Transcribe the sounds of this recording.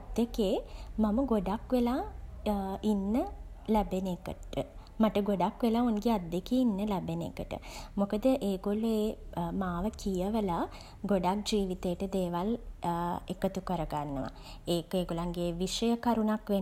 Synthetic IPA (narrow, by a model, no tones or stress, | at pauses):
d̪ːekeːmaməɡoɖakʋelaː | inːə | læbenekəʈə | maʈəɡoɖakʋelaːonɡead̪ːekeinːəlæbenḛkəʈə̰mokəd̪əʔeːɡolueːmaːʋəkijəʋəla | ɡoɖak̚d͡ʒiːʋit̪ejːʈəd̪eːʋal | ekət̪ukəɾəɡanːəʋa̰ | eːkeːɡolaŋɡeːʋiʃəjəkaɾunakʋe